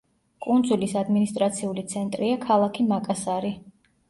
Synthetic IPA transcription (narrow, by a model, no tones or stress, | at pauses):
kʼund̪zulisad̪minist̪ʼɾat̪sʰiulit̪sʰɛnt̪ʼɾiakʰalˠakʰimakʼasaɾi